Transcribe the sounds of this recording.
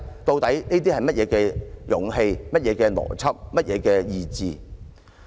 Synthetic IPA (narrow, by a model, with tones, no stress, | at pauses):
t̪o˧wt̪ɐ˨˥jneː˥t̪̬iː˥hɐ˨˩jmɐ˥t̚jɛː˨˧kɛː˧jʊ̰˨˥ŋɦe˧jmɐ˥t̚jɛː˨˧kɛː˧lɔ̰ː˨˩t͡sʰɐ˥p̚mɐ˥t̚jʔɛː˨˧kɛː˧jiː˧t͡siː˨